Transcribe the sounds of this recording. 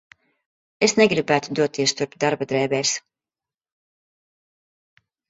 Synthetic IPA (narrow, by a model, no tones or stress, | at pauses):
esneɡɾibæːt̪ud̪uɔt̪ːiɛst̪uɾpd̪aɾbad̪ɾɛːbɛːs